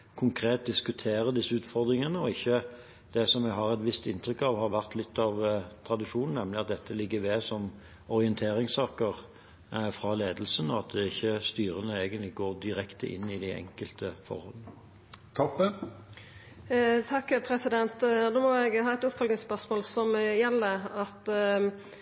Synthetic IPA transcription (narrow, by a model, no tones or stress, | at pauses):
kʰʊŋkʰʁeːt̪̚d̪ɪskʉt̪ʰeːɾəd̪ɪsːəʉːt̪fɔʁd̪ʁɪŋənəɔɪçːə | d̪̥ɛsɔmɛɡɦɑʁɛt̪ʋɪst̪ɪnt̪ʁʏkːɑʋhɑʁʋæʁt̪ʰlɪt̪ːɑʋt̪ʰʁɑd̪ɪʂuːnn̩ɛmlɪɑt̪̚d̪ɛt̪ːəlɪɡːəʋeːsɔm | ɔʁɪɛnt̪ʰeːɾɪŋsɑːkəʁ | fɾɑleːd̪əlsənɔɑt̪̚d̪ɛɪçːəst̪yːɾənəeːɡənt̪lɪɡoːʁd̪ɪɾɛkt̪əʔɪ̰nːɪd̪ɪɛ̰ŋkəlt̪əfɔ̰ɾhɔ̰lnə | t̪ʰɑpːə | t̪ʰɑkːpʰɾɛsɪd̪ɛnt̪d̪oːmɔɛɡhɑːɛt̪ʊpfɔlɡnɪŋspœʁʂmoːlsɔmjɛlːəɑt̪